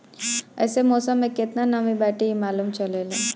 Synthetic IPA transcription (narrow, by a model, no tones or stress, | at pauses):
ɐ̰jsemoːsɐmeket̪nanɐmibaːʈiimaːlumt͡ʃɐleːle